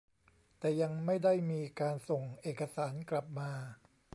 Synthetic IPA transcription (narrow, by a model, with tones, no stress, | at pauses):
t̪ɛː˨˩ja˧ŋma˥˩jda˥˩jmiː˧kaː˧nso˨˩ŋʔeː˨˩kːa˧saː˩˦nkla˨˩p̚maː˧